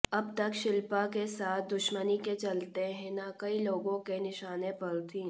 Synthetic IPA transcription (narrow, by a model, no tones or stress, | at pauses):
ɐbt̪ɐkʃɪlpakesaːt̪̚ʰd̪ʊʃməniket͡ʃɐlt̪eɦɛ̃nakɐiloːɡõkenɪʃaːnepɐɾt̪ʰĩː